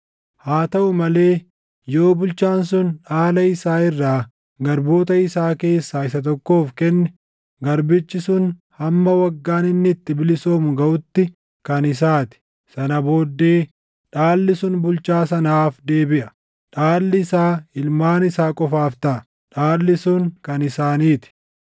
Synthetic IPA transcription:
haːt̪ɐʔʊmɐle̞ː | joːbʊlt͡ʃaːnsʊnᶑaːlɐɪsaːɪrːaː | ɡɐɾbo̞ːt̪ɐɪsaːke̞ːsːaːɪsɐt̪̬ɔkːo̞ːfkɛnːɛ | ɡɐɾbɪt͡ʃːɪsʊnhɐmːɐwɐɡːaːnɪnːɪːt̪ːɪbɪlɪso̞ːmʊɡɐʔʊt̪ːɪ | kɐnɪs̬aːt̪ɪ̥ | sɐnɐbo̞ːd̪ːeː | ᶑaːlːɪsʊnbʊlt͡ʃaːsɐnaːfd̪e̞ːbɪʔɐ | ᶑaːlːɪsaːɪlmaːnɪsaːkʼɔfaːft̪ɐʔ | ᶑaːlːɪsʊŋkɐnɪsaːniːt̪ɪ̥

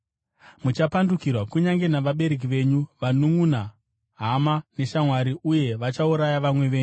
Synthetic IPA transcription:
mut͡ʃapandukirwakuɲaŋɡe̞naʋaɓe̞ɾe̞k̬iʋe̞ɲuʋanuŋuna | ɦamane̞ʃamwaɾiʔuje̞ʋat͡ʃauɾajaʋamwe̞ʋeːɲu

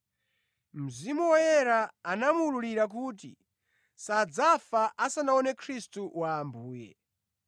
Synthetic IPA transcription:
m̩zimuwɔjɛɾaanamululiɾak̬uːtḭ | sad͡zafaʔasanaɔnɛkʰɾistuwaːmbuːjɛ̰

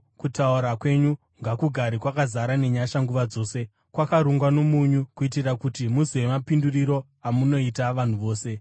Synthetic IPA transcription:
kutauɾakwe̞ɲu | ŋɡakuɡʱaɾikwakazaɾane̞ɲaʃaŋɡuʋad͡zo̞ːse̞ | kwakaɾuŋɡwanomuɲukuitirakutimusiwe̞mapinduriɾo̞ | amuno̞itaʋan̤uʋo̞ːse̞

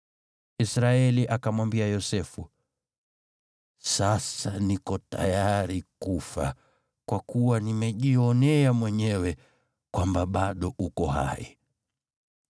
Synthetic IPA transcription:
isɾaɛliʔakamwambiajɔsɛfu | sasanikɔta̰jaɾikufa̰ | kwakuwanimɛʄiɔnɛamwɛɲɛwɛ | kwambaɓaɗɔʔukɔha̰ḭ

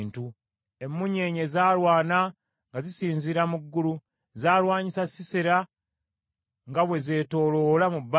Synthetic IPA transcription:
ntu | emːuɲe̞ːɲe̞zaːlwaːna | ŋɡazisiːnziɾamuɡːulu | zaːlwaːɲisasiseɾa | ŋɡaβwe̞ze̞ːto̞ːlo̞lamubː

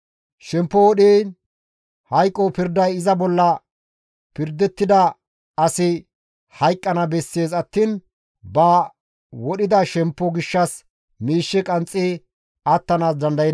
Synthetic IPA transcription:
ʃɛmpːɔwɔɗiː | hɐjkʼːɔpɪɾd̪ɐjɪzɐbɔlːɐ | pɪɾd̪ɛt̪ːɪd̪ɐ | ɐsɪ | hɐjkʼːɐnɐbɛsːeːsɐt̪ːiːn | bɐ | wɔɗɪd̪ɐʃɛmpːɔɡɪʃːɐs | miːʃːɛkʼɐnt͡sʼːi | ɐt̪ːɐnaːs̬d̪ɐnd̪ɐjɛ

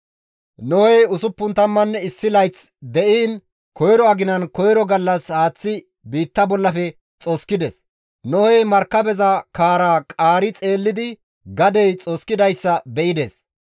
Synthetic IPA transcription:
nɔhɛjʊsʊpːʊnt̪ɐmːɐnːɛɪsːɪlɐjt͡sd̪ɛʔiːn | kɔjɾɔɐɡɪnɐnkɔjɾɔɡɐlːɐshaːt͡sːɪ | biːt̪ːɐbɔlːɐfɛ | t͡sʼoskɪd̪ɛs | nɔhɛjmɐɾkːɐbɛzɐkaːɾaːkʼaːɾɪt͡sʼe̞ːlːɪd̪ɪ | ɡɐd̪ɛjt͡sʼoskɪd̪ɐjsːɐbɛʔɪd̪ɛs

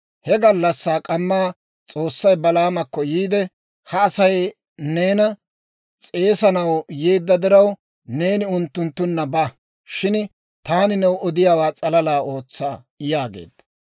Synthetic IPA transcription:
hɛɡɐlːɐsːaːkʼɐmːaː | t͡sʼoːsːɐjbɐlaːmɐkːɔjiːd̪ɛ | hɐːsɐj | ne̞ːnɐ | t͡sʼe̞ːsɐnɐwjeːd̪ːɐd̪ɪɾɐw | ne̞ːnɪʊnt̪ːʊnt̪ːʊnːɐbɐ | ʃɪn | t̪aːnɪnɛwɔd̪ɪjaːwaːt͡sʼɐlɐlaːo̞ːt͡sːaː | jaːɡḛːd̪ːɐ

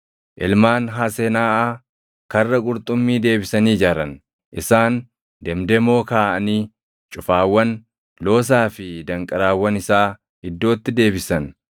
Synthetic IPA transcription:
ʔɪlmaːnɦaːsenaːʔaː | kɐrːɐkʼʊɾt̪ʼʊmːiːd̪e̞ːbɪsɐniːd͡ʒaɾɐn | ʔɪsaːn | d̪ɛmd̪ɛmːo̞ːkaːʔɐniː | t͡ʃʼʊfaːwːɐn | lo̞ːs̬aːfɪd̪ɐŋkʼɐɾaːwːɐnɪsaː | ɪd̪ːo̞ːt̪ːɪd̪e̞ːbɪsɐn

